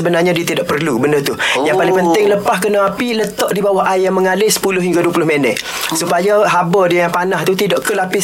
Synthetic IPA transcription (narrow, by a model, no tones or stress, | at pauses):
əbənarɲadiət̪idaʔ̚pərlubəndət̪ʊhjaŋpalɪŋpənt̪ɪŋləpahkənaapilət̪ɔʔdibawaɦajjaməŋalɪsə̥pulʊɦiŋɡaduəpulʊhmənɛ̰ʔ̪ | supajaɦabədiajaŋpanãht̪ut̪idɔʔkəlapɪ